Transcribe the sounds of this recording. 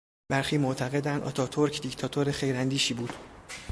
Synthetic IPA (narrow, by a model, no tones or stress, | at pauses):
b̥æɾxiːmoʔt̪ʰæɣe̞d̪ænd̪ʔɒ̰ːt̪ʰɒːt̪ʰoɾcʰd̪ict̪ʰɒːt̪ʰoɾexe̞jɾænd̪iːʃiːbuːd̪̥